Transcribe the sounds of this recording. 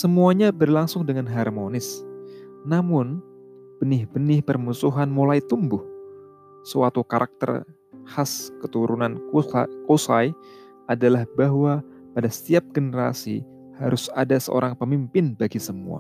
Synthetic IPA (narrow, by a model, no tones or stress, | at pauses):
səmuaɲabərlaŋsʊŋdəŋanɦarmonɪs | namʊn | b̥ənɪhbənɪhpərmusuɦanmulait̪umbʊh | səwat̪ukaɾʔak̚t̪ə̰r | haskət̪uɾunankosaj | ʔadalahbaɦwa | padasə̥t̪iap̚ɡənəɾa̰sḭ | haɾʊsa̰dasə̰ʔo̰ɾaŋpəmimpɪnbaɡisəmṵa̰